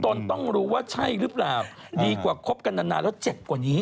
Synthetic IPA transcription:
t̪o˧nt̪ɔ˥˩ŋɾuː˦˥waː˥˩t͡ɕʰa˥˩jɾɯː˦˥plaː˨˩w | diː˧kwaː˨˩kʰo˦˥p̚ka˧nda˧na̰ː˧lɛː˦˥wt͡ɕe˨˩p̚kwaː˨˩niː˦˥

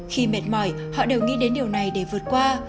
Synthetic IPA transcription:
xi˧me˨˩t̚mɔ˧˩j | hɔ̰˧˨ɗe˨˩wŋḭ˧˥ɗe˨˦nɗi˨˩əwna˨˩jɗe˧˩vɨ˨˩ət̚kwaː˧

